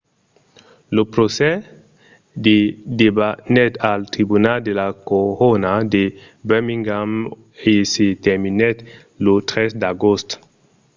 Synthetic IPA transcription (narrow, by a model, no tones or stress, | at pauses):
lopɾosɛ | d̪ed̪ebanɛt̪alt̪ɾibunald̪elakoʁonad̪e | bømĩŋɡam | eset̪ɛminɛt̪ | lot̪ɾɛsd̪aɡost̪